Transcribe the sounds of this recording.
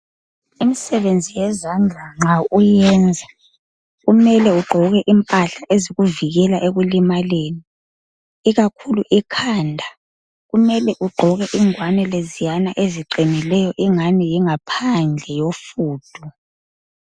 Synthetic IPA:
imisɛβend͡zʱijɛzand͡ɮʱaŋ͡ǁaujɛnd͡zʱa | ɣumɛlɛuɡ͡ǃʱɔɣɛʔimpʼaɬaʔeziɣuviɣɛlaʔeɣulimaleːni | iɣakʰuluʔikʰaːndʱa | ɣumɛlɛʔuɡ͡ǃʱɔɣɛʔiŋwanɛlezijanaʔeziǃinilɛjɔʔiŋanijiŋapʰand͡ɮʱɛjofuːd̥ʱu

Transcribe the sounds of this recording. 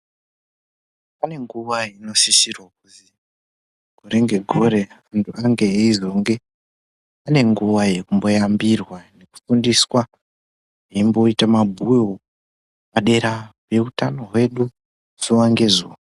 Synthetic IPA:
ane̞ŋɡuʋaino̞sisirwak̚uzi | ɡ̥ʱo̞ɾe̞ŋɡe̞ɡʱo̞ɾe̞antʰuaŋɡe̞ːizo̞ŋɡe̞ | ane̞ŋɡuʋaje̞kumbo̞jambirwane̞ku̥fundiswa | eimbo̞itamabʱujo | paɗe̞ɾape̞utano̞ɦwe̞ɗu | z̥owaŋɡe̞zoː

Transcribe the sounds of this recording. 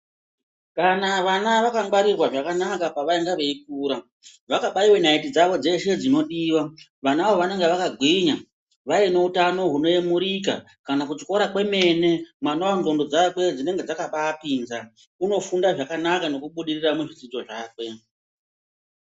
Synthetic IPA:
kanaʋanaʋakaŋɡwaɾirwaʐakanakapaʋaiŋɡaʋe̞ikuːɾa | ʋakaɓaiwe̞naitid͡zaʋo̞d͡ze̞ʃe̞d͡zino̞ɗiːwa | ʋanaʋo̞ʋane̞ŋɡe̞ʋakaɡʱwiɲa | ʋaine̞utano̞ɦuno̞jemuɾika̰ | kanakut͡ʃi̥ko̞ɾakwe̞me̞ne̞mwanoanɡo̞ndo̞d͡zakwe̞d͡zine̞ŋɡe̞d͡zakaɓaːpinza | uno̞fundaʐakanakano̞kuɓuɗiriramuʐid͡zid͡ʒo̞ʐaːkwe̞

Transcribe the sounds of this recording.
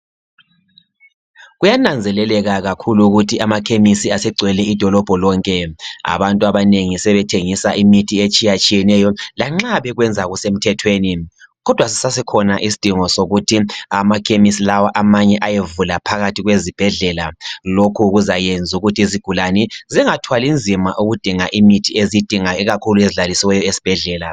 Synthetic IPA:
ɣujanand͡zʱɛlɛlɛɣaɣakʰuluɣutʰiʔamakʰemisiasɛɡ͡ǀʱwɛlɛid̥ʱɔlɔb̥ʱɔlɔŋkʼɛa̰βantʼuaβaneŋisɛβɛtʰeŋisaʔimitʰiet͡ʃʼijat͡ʃʼijɛnɛjɔlaŋ͡ǁaβɛɣwɛnd͡zʱaɣusem̩tʰɛtʰweːniɣɔd̥ʱwasi̥sasɛkʰɔnaʔisi̥d̥ʱiŋɔsoɣutʰiamakʰʼemisilawaʔamaɲɛʔajevulapʰaɣatʰiɣwezib̥ʱɛɮɛla̰lokʰuɣuzajend͡zʱuɣutʰiiziɡ̥ʱulanɛziŋatʰwalind͡zʱimaʔuɣud̥ʱiŋaʔimitʰiezid̥ʱiŋaiɣakʰulueziɮalisiwɛjɔesi̥b̥ʱɛɮɛːla

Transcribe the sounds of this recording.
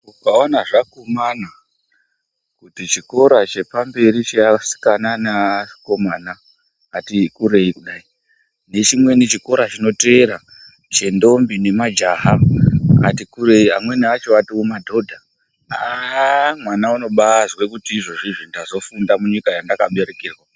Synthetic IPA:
ukaonaʐakumana | kutit͡ʃiko̞ɾat͡ʃe̞pambe̞ɾit͡ʃeasi̥kananako̞maːnaː | tikuɾe̞ikuɗai | ne̞t͡ʃimwe̞nit͡ʃiko̞ɾat͡ʃino̞teːɾa | t͡ʃe̞ndo̞mbine̞mad͡ʒaɦaa̰tikureia̰mwe̞neat͡ʃoatiumadʱo̞dʱa | a | mwanauno̞ɓazwe̞kutiːʐo̞ʐiʐindazo̞fundamuɲikajandakaɓe̞ɾekiːrwa

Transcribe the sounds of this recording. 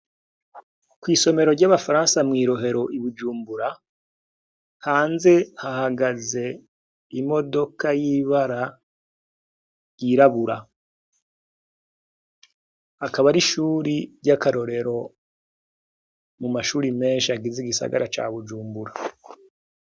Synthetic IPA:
kwiːso̞me̞ɾo̞ɾɟaβafaɾãːnsamŋiːɾo̞ɦe̞ɾo̞ʔiβud͡ʒuːmbuɾa | haːnze̞hahaɡaze̞ | imo̞do̞kajiβaɾa | ɾjiɾaβuɾa | akaβaɾiʃuːɾiɾɟakaɾo̞ɾe̞ɾo̞ | mumaʃuːɾime̞ːnʃiaɡiziɡisa̰ɡa̰ɾat͡ʃa̰ːβud͡ʒuːmbuɾa

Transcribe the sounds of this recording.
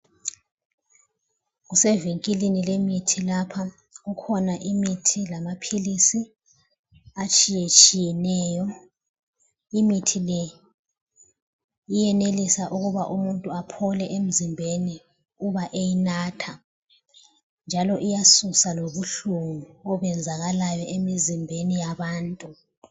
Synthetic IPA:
ɣusɛviŋkʼilinilemitʰilapʰa | ɣukʰɔnaʔimitʰilamapʰilisi | at͡ʃʼijet͡ʃʼijɛnɛːjɔ | imitʰilɛ | ijɛnelisaʔuɣuβaʔumuntʼuapʰɔlɛʔem̩zimbʱeni | uβaʔejinaːtʰa | nd͡ʒʱalɔʔijasusaloβuɬuŋuɔβɛnd͡zʱaɣalajɔʔemizimbʱenijaβaːntʼu

